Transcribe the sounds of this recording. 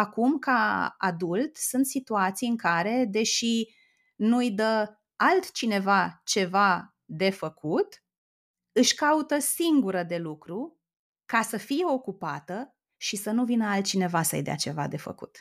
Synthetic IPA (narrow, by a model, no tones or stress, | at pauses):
akumkaa̰d̪ult̪sunt̪sit̪uat̪sijɨŋkaɾe̞d̪e̞ʃi | nujd̪ə | alt̪t͡ʃine̞vat͡ʃe̞va | d̪e̞fəkut̪ | ɨʃʲkaut̪əsiŋɡuɾəd̪e̞lukɾu | kasəfije̞o̞kupat̪ə | ʃisənuvinəalt̪̚t͡ʃine̞vasə̰jd̪ea̰t͡ʃe̞va̰d̪e̞fə̰kṵt̪